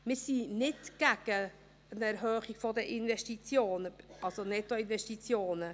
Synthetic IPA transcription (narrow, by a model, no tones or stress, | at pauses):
mɪɾsinɪtɡ̥æɡ̥ə | ənɛɾɦøːχiɡ̥fodəʔɪnvɛʃtit͡sjoːnəɑlsonɛt̪oɪnvɛʃtit͡sjoːnə